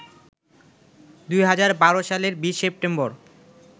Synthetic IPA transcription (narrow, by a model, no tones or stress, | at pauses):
d̪ujɦad͡ʑaɾbaɾoʃaleɾbiʃsep̚ʈemboɾ